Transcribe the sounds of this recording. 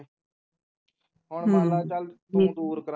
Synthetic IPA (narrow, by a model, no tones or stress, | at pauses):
ɦʊɳaːlaːt͡ʃəl | ĩd̪uːɾkəɾ